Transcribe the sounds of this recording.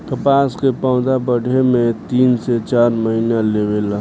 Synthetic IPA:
kəpaːskepãʊd̪abəɽ̤ʱemẽt̪iːnset͡ʃaːɾməɦinaleʋela

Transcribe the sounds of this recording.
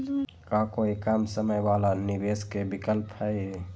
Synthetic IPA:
kaːkoikamsəməjwaːlanɪbeːskebɪkəlphɛe

